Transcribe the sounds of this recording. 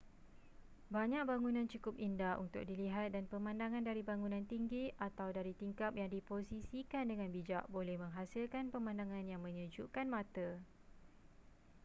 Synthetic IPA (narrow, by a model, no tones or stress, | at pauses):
baɲãk̚baŋunãnt͡ʃukʊp̚indahṵnt̪ʊ̰k̚diliɦat̪̚danpəmãndaŋãndaɾibaŋũnãnt̪iŋɡiʔat̪awdaɾit̪iŋkap̚jaŋdiposisikandəŋãnbid͡ʒaʔbolɛhmə̃ŋɦasɪlkanpəmãndaŋãnjaŋmə̃ɲə̃d͡ʒuʔkanmãt̪ə